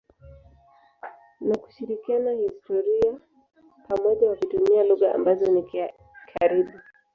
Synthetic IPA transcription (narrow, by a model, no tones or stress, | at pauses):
naku̥ʃiɾikianahistɔɾia | pamɔʄawakutumialuɣaa̰mbazɔnik | kʰaɾiɓu